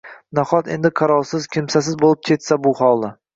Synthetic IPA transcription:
naχɒt̪e̞nd̪ɪqʰɑɾɒlˠsɪzkʲʰɪmsasɪzbolˠɪp̚kʲʰe̞t̪sabʊhɒlˠa

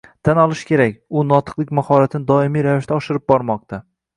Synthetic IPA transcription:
t̪ʰanɒlˠɪʃkʲʰe̞ɾakʲʊnɒt̪ʰɨ̥qlˠɪkʲmahɒɾat̪ʰɪnɪd̪ɒɪmijɾavɪʃt̪aɒʃɪɾɪp̚bɒɾmɒq̚t̪ʰa

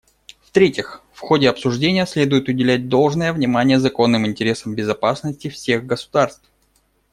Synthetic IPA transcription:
ft̪ɾʲetʲɪxfxo̞dʲɪɐpsʊʐdʲenʲɪjəsʲlʲe̞d̪ʊjɪt̪ʊdʲɪlʲæt̚ʲd̪o̞lˠʐnəjəvnʲɪmanʲɪjəzɐko̞nːɨmɪnʲtʲɪɾʲe̞səmbʲɪzɐpasnəsʲtʲɪfsʲe̞ɣɡəsʊ̥d̪arst̪f

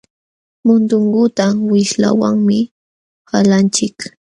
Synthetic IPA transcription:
mʊnt̪ʊɴɢʊt̪awɪʃla̰wa̰ŋmɪ | halant͡ʃɪk

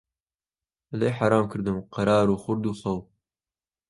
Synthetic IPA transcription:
əlejħaɾɑːmkʰɨɾd̪ɨmqɑɾɑːɾuːxʊɾd̪uːsˤɑw

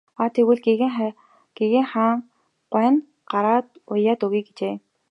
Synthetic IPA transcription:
at̪ʰeɣwɘ̆ːɮɡiɣ | ɡ̥iɣĕːŋχaːŋ | ɢ̥ʷwæːn | ɢ̥aɾaːt̪ʊjːaːt̪ɵɣiːk̚ɡet͡ɕeː

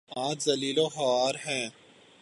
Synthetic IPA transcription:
ãːt̪zɐliːloxɐaːɾɦɛ̃ː

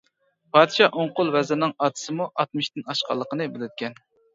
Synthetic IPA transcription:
pʰɑːd̪ɨʃɑʔoɴqʊlˠwɛzɪɾnɨŋɑːt̪ʰɨ̥sɨmuʔɑt̪mɨʃt̪ɪnɑʃqʰɑ̰lˠːəqənɨbɪlɪd̪ɪkʲɛn

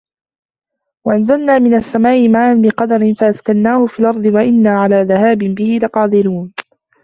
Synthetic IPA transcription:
waʔanzalnaːmɪnasːamaːʔɪmaːʔanbɪqɑd̪ɑɾɪnfaʔaskanːaːhʊfiːlʔɑɾˤd̪ˤɨwaʔɪnːaːʕalaːðahaːbɪnbɪhɪlaqɑːd̪ˤɪɾuːn

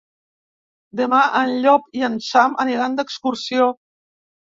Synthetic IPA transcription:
d̪əmaʔənʎɔpiənsaməniɾand̪əkskuɾsio

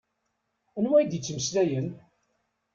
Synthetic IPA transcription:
ænwæjd̪jət͡sːməslæjən

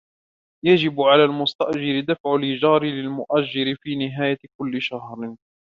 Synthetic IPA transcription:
jad͡ʒɪbʕalaːlmʊst̪aʔd͡ʒɪɾɪd̪afʕʊlʔɪd͡ʒɑːɾɪlɪlmʊʔaʒd͡ʒːɪɾɪfiːnɪɦaːjakʊlːɪʃahɾ

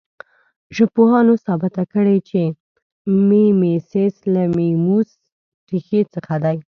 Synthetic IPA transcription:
ʒəpohɑnosɑbɪt̪akəɽet͡ʃe | memeseslamemus | ʈixet͡səxad̪aj

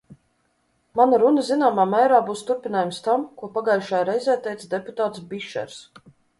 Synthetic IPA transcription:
manaɾunəzinaːmaːmæːɾaːbuːst̪uɾpinaːjumst̪amkuɔpaɡajʃajaɾɛjzɛːt̪ɛjt̪sd̪ɛput̪aːt̪sbiʃɛ̰ɾs

